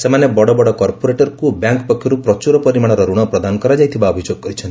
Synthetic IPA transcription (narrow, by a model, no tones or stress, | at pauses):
semanebɔɽɔbɔɽɔkɔɾpoɾeʈɔɾkubjaŋkpɔkʰːjɔɾupɾɔt͡ʃuɾɔpɔɾimaɽ̃ɔɾɔɾuɽ̃ɔpɾɔd̪anɔkɔɾad͡ʒajt̪ʰibaɔbʱid͡ʒjoɡɔkɔɾit͡ʃʰɔni̥